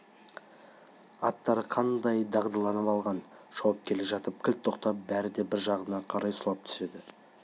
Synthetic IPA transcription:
ɑt̪ːɑɾəqʰɑnd̪ɑjd̪ɑʁd̪əlˠɑnəpɑlˠʁɑn | ʒ̥ɑwɑp̚kʲʰe̞le̞ʒɑt̪əp̚kʲʰɪlt̪ʰːo̞qt̪ɑp̚bæɾɪd̪e̞bɪɾʒɑʁənɑqʰɑɾɑjsʊlˠɑp̚t̪ʰʏ̥se̞d̪ɪ

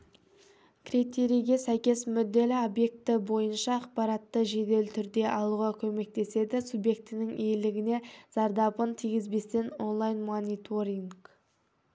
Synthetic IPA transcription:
kʲʰrit̪e̞ɾijɡʲe̞sæjkʲe̞smʏd̪ːe̞lɪobje̞k̚t̪ɪbo̞jənʃɑːq̚pɑɾɑt̪ːəʒe̞d̪e̞lɪt̪ʰʏɾd̪e̞ʔɑlˠuʁɑkʲʰɵme̞k̚t̪e̞se̞d̪ɪsubje̞k̚t̪ɪnɪŋʔejlɪɡʲɪne̞z̥ɑɾd̪ɑpənt̪ʰijɡʲɪzbe̞st̪e̞no̞nlˠajnmonit̪ʰoɾiŋɡ

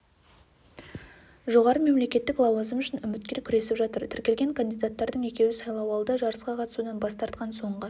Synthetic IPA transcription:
ʒo̞ʁɑɾəme̞mle̞kʲe̞t̪ːɪklˠɑwɑzəmʏʃɪnʏmɪt̪̚kʲe̞ɾkʲʰʏɾe̞sɪpʒɑt̪əɾt̪ʰɪɾkʲe̞lɡʲe̞ŋkʰand̪ijd̪at̪ːɑɾd̪əɴe̞kʲe̞wɪsɑjlˠɑwɑlˠd̪əʒɑɾəsqɑqʰɑt̪əsud̪ɑnbɑst̪ɑɾt̪̚qɑnso̞ɴʁə

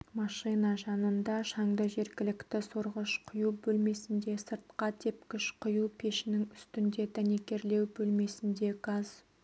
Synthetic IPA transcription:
mɑʃinɑʒɑnənd̪ɑʃɑŋd̪əʒe̞ɾkʲɪlɪkt̪ɪsoɾʁəʃqʰʊjubɵlme̞sɪnd̪e̞səɾt̪̚qɑt̪ʰepkʲɪʃqʰʊjupʰe̞ʃɪnɪŋʏst̪ɪnd̪e̞d̪æne̞kʲe̞ɾle̞wbɵlme̞sɪnd̪e̞ɡɑz̥

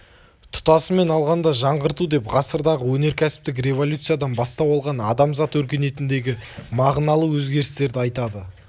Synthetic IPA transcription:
t̪ʰʊ̥t̪ɑsəme̞nɑlˠʁɑnd̪ɑʒɑɴʁəɾt̪ud̪e̞pʁɑsəɾd̪ɑʁəwɵne̞ɾkʲʰæsɪ̥p̚t̪ɪk̬rʲe̞vo̞lʲut̪sɨjad̪ɑnbɑst̪ɑwɑlˠʁɑnɑd̪ɑmzɑt̪wɵɾkʲe̞ne̞t̪ɪnd̪e̞ɡʲɪmɑʁnɑlˠəwɵzɡʲe̞ɾɪst̪e̞ɾd̪ɪɑjt̪ɑd̪ə

